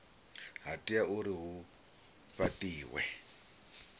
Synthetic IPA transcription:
ɦatʼiauɾiɦu | ɸat̪iːwɛ̰

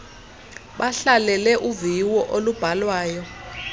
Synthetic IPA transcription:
ɓaɬalɛlɛʔuviwɔʔolub̥ʱalwaːjɔ

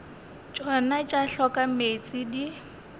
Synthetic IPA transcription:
t͡ʃʼɔnat͡ʃʼaɬɔkʼamet͡sʼidi

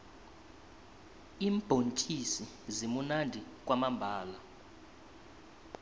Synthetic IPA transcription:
iːmb̥ʱont͡ʃʼisi | zimunandʱik̬ʼwamambʱaːla

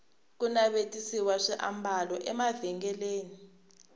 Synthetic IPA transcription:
kunaɓetʼisiwaʂiʔa̰mbalɔʔɛmaviŋɡɛleːni

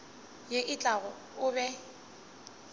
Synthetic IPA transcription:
jeʔɪt͡ɬʼaɣɔ | ʊbɛ

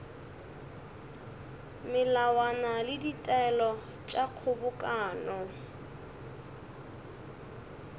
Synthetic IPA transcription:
mɪlawanalɪditʼɛlɔ | t͡ʃʼaq͡χʰʊbʊkʼaːnɔ

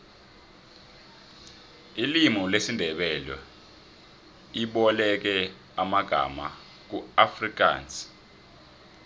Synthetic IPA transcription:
ilimɔlesindʱɛɓɛlɛ̰ | iɓɔlɛk̬ɛ | amaɡ̥ʱa̰ma̰ | k̬uafrik̬a̰ːnsi̥

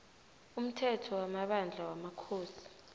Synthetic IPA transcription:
um̩tʰɛtʰɔwamaɓand͡ɮʱawamakʰoːsi̥

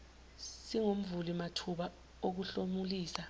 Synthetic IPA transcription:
siŋom̩vulimatʰuɓa | ok̬uɬomuliːsa

